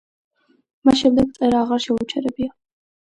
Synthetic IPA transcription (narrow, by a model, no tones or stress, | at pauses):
maʃɛmd̪ɛɡ̪̚sʼɛɾaːʁaɾʃɛut͡ʃʰɛɾɛbia